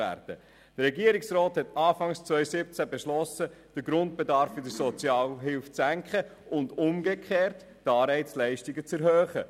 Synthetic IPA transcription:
æ̰ːɾd̥ə | dəɾɛɡiəɾiksɾɔːthɛtɑːfɑŋst͡sʋœʏsɪp̚t͡sæbeʃlɔsəd̥əɡɾʊnt̚b̥edɑɾfyd̥əsɔt͡sjɑːlɦɪlft͡sæŋkχəʔʊndʊmɡekʰeːɾtːɑːɾɛɪt͡slæɪʃtiɡət͡sɛɾɦøːχə

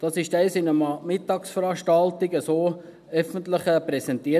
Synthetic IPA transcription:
d̥ɑːsɪʃdɛɪsɪnəmɑmɪtːɑːksfəɾɑʃtɑltɪɡəsoː | œfəntlɪχəpɾɛsɛntiːə

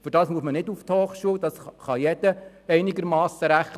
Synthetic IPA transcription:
fʏɾdɑːsmuəsmənɪduft̪hɔːχʃuəwd̥̪ɑsχɑjɛd̥ə | ɛɪniɡəɾmɑːsəɾæχ

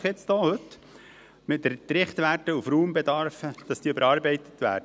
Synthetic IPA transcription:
χjɪt͡sd̥oːhɵtː | mɪtdəɾtɾɪχtʋætəufɾuːmbɛdɑɾfəd̥ɑsd̥iːʏbəɾɑːɾbɛɪtə̥t̪ʋæ̰ːɾd

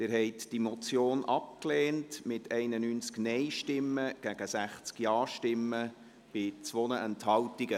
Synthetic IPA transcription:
dɪɾɦɛɪtd̥imɔt͡sjoːnʔɑp̚klɛːntmɪtʰɛɪnənyːnt͡sknɛɪʃtɪmːəɡ̥æɡ̥əsæχt͡skjɑːʃtɪmːə | b̥ɪt͡sʋonəʔɛnthɑltiɡə

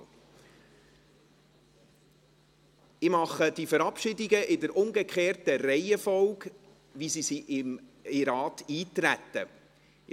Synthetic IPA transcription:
ɪmɑχəd̥ifəɾɑpʃɪdiɡəʔɪdəɾʔʊŋɡəkʰχeːrtəɾɛɪəfɔlk | ʋisisiʔɪmiɾɑːtiːt̪ɾætːə

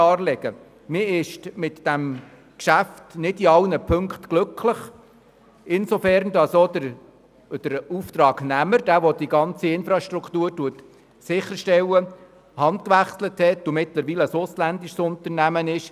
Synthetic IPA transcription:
ɑːɾlɛɡ̥ə | mɪɪʃmɪtd̥æm | kʃæftnɪdiɑlnəpʰɵŋkχtɡ̥lɵkʰləχ | ɪnsofæɾndɑsodəɾ | d̥əɾuft̪ɾɑːɡnæməɾd̥æːʋod̥iɡɑnt͡siɪnfɾɑʃtɾukʰtuːɾtuət | sɪχːəɾʃtɛwə | hɑnd̪kʋæχsləthɛtʊmɪtləɾʋiːləəsʊslænd̪iʃsʊnt̪əɾnæmənɪʃ

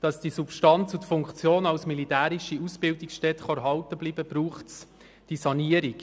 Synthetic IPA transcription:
d̥ɑsd̥isupʃtɑnt͡sutfʊŋkt͡sjoːnɑwsmilitæːɾiʃiusb̥ɪldiksʃtɛt̪χɑæɾɦɑwtəbliːb̥əbɾuːχts | d̥isɑniəɾik

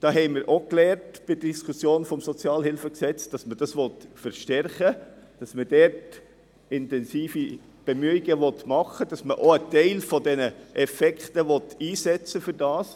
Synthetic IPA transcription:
d̥ɑːɦɛɪmɪɾʔoklɛːɾtb̥ɪd̥əd̥iskʰusjoːnfɔmsɔt͡sjɑːlhɪlfəksɛt͡sd̥ɑsməd̥ɑsʋɔtfəɾʃtɛrχəd̥ɑsməd̥ɛɾt | ɪntɛnsiːfi | b̥ɛmyːiɡ̥əʋɔtmɑχəd̥ɑsməʔoətɛɪlfɔdɛnəʔɛfɛkχtəʋɔtiːsɛt͡səfʏɾdɑːs

